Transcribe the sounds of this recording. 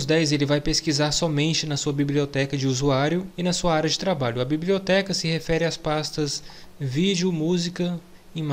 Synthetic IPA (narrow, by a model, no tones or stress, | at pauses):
zd̪ɛjzelɪvajpeskizaɾsɔmẽnt͡ʃɪnɐsuɐbibliot̪ɛkɐd͡ʒɪuzuaɾjʊɪnɐsuɐaɾɐd͡ʒɪt̪ɾabaʎʊɐbibliot̪ɛkɐsɪhefɛɾɪaspast̪ɐsvid͡ʒɪʊmuzikɐ | ima